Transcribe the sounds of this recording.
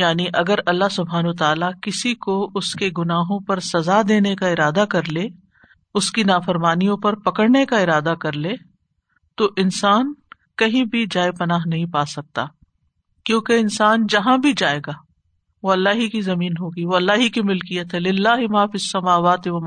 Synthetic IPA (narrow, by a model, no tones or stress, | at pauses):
jaːniʔɐɡəɾɐlːaɦsʊbʱɦaːnwɐt̪aːlakɪsikoʊskeɡʊnaːɦõpɐɾsɐzad̪eːnekaɪɾaːd̪akɐɾleː | ʊskinaːfɐɾmaːnijõpɐɾpɐkəɽnekaɪɾaːd̪akɐɾleː | t̪oʔɪnsaːn | kɐɦĩbʱid͡ʒaːjpɐnaːɦnɐɦĩpaːsɐk̚t̪a̰ː | kjõːkeɪnsaːnd͡ʒɐɦãbʱid͡ʒaːeːɡaː | ʋoɐlːaːɦikizɐmiːnɦoːɡəiʋoɐlːaːɦikimɪlkijət̪ɦɛlɪlːaːɦɪmaːfisːɐmaːʋaːt̪ɪʋɐm